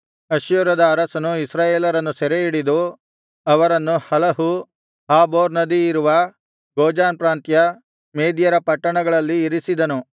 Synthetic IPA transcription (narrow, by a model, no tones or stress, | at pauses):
ɐʃjuːɾɐd̪ɐːɾɐsɐnuisɾaːjeːlɐɾɐnːusɛɾeiɽid̪u | ɐʋɐɾɐnːuhɐlɐɦu | haːboːɾnɐd̪iːɾuʋɐ | ɡoːd͡ʒaːnpɾaːnt̪jɐ | meːd̪jɐɾɐpɐʈːɐɳɐɡɐɭɐlːiːɾisid̪ɐnu